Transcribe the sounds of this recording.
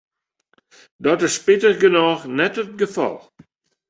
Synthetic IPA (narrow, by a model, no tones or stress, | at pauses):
dɔtɪspɪtərɡənɔːχnɛtət̚ɡəfɑ̰lˠ